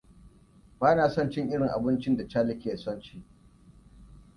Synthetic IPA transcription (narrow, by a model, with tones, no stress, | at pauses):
baː˦naː˨sɔ˦nt͡ʃɪ˦ŋʔɪ˦ɽɪ˨ŋʔa̰˨bɪ˦nt͡ʃɪ˦nda˨t͡ʃaː˦lɪ˦kʲeː˨sɔ˦nt͡ʃiː˦